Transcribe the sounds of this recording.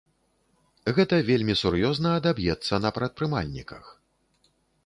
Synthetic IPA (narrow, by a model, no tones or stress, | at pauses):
ɣɛt̪ɐvʲelʲmʲisurjɔznɐːd̪abjɛt̪sːɐnɐpɾɐt̪̚pɾɨma̰lʲnʲḭkɐx